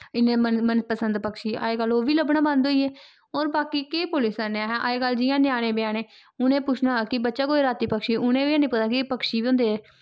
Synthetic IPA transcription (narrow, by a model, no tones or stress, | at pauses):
ɪnẽːəmənpəsənd̪pəkʃiːa̰ːeːkəloːʋiːləbnãːbãnd̪ɦoːiːeː | oːɾbaːkiːkeːpʊlɪsəneaːɦɛ̃ʔaːeːkəld͡ʒɪjãːnjaːɽ̃ẽːbeaːñeː | ʊnẽːpʊt͡ʃʰnaːkɪbətːʃaːkoːiːɾaːt̪iːpəkʃiːʊnẽːʋĩːnĩpʊt̪aːkɪpəkʃiːʋiːʊ̃nd̪eːɛː